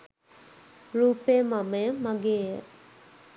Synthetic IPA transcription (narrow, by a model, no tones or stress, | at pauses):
ɾupemamemaɡe